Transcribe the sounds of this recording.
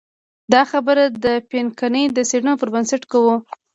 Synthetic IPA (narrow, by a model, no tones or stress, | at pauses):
d̪ɑxabəɾad̪əpenkanəjd̪əseɽənopəɾbənsaʈkawu